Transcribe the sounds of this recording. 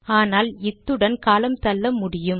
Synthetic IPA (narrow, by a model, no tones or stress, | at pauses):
aːnaːlɪt̪ːɯɽɐnkaːlɐmt̪ɐlːɐmʊɽɪjɯm